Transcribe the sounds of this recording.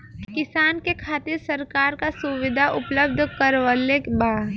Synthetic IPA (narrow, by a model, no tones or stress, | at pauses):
kkɪsaːnkekʰaːt̪ɪɾsɐɾkaːɾkasʊʋɪd̪ʱaʔʊpləb̚d̪ʱkəɾʋəlebaː